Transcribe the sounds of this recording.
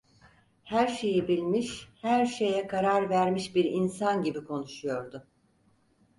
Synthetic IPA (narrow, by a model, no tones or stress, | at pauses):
hæɾʃe̞jibilʲmiʃhæɾʃe̞jɛkʰaɾaɾvæɾmiʃbiɾinsanɟibikʰo̞nuʃujo̞ɾd̪ʊ